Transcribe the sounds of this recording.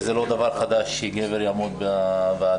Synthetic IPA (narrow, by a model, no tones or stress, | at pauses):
zelo̞d̪avaʁχad̪aʃːiɡeveɾjamot̪̚bbea